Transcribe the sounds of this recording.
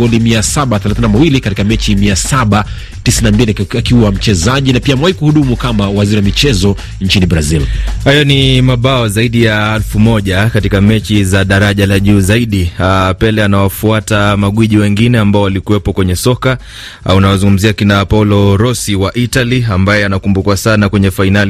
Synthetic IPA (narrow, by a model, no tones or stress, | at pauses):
ɔlimiasaɓaθɛlaθinamawilikatikamɛt͡ʃimiasaɓa | tisinambiliakiwam̩t͡ʃɛzaʄinapiamɛwaikuhuɗumukamawaziɾiwamit͡ʃɛzɔ | nt͡ʃinibɾazilhajɔnimaɓaɔzaiɗijaalfumɔʄakatikamɛt͡ʃizaɗaɾaʄalaʄuːzaiɗipɛlɛanawafuatamaɠwiʄiwɛŋɡinɛambaɔwalikuwɛpɔkwɛɲɛsɔka | unawazuŋɡum̩ziakinapaulɔɾɔsiwaʔitaliambajɛanakumbukwasanakwɛɲɛfainali